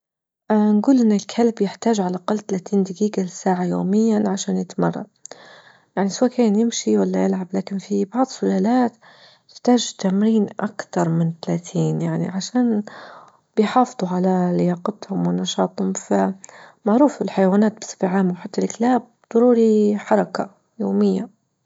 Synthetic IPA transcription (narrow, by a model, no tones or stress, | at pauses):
ʔnɡuːlʔɪnːɪlkʰalbjɪħt̪aːʒʕalaʔaqɑlːt̪alaːt̪iːnd̪ɪɡiːɡalɪsaːʕajo̰ːmɪjːanʕaʃaːnjɪt̪mɑ̰rˤːɑ̰ | jaʕniswaːkaːnjɪmʃiwalːajɪlʕablaːkɪnfibɑʕd̪ˤsʊlaːlaːt̪ | jɪ̥ħt̪aːʒt̪amɾiːnʔakt̪ɑɾˤmɪnt̪alaːt̪ʰiːnjaʕnḭʕaʃaːn | bɪjħɑːfɨðˤuʕalalɪjɑːqɑt̪hʊmwɪnːɑʃɑːt̪ˤhʊmfamaʕɾuːfɪlħajawaːnaːt̪̚bɪ̥sˤɨ̥fʕaːmwħat̪ːalklaːb̚d̪̥ˤɑɾuːɾiħɑɾˤɑka | joːmɪjːa